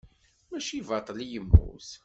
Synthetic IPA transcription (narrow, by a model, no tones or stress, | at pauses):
mæʃivɑt̪ˤːlijəmːṵs